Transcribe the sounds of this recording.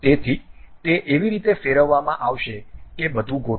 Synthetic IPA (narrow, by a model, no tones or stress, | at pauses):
t̪et̪ʰit̪eʔeʋiɾit̪efeɾəʋːamãʔaʋʃekebəd̪ʱũɡo